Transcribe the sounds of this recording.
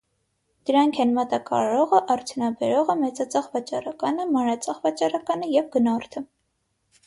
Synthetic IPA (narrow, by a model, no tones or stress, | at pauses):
d̪̥əɾɑŋkʰɛnmɑt̪ɑkɑ̰ɾɑɾɔʁəʔɑrt͡s̪ʰjunɑbɛɾɔʁəmɛt͡sɑt͡sʰɑʁvɑt͡ʃɑɾɑkɑnəmɑnɾɑt͡sʰɑʁvɑt͡ʃɑɾɑkɑnəjɛvɡənɔrt̪ʰə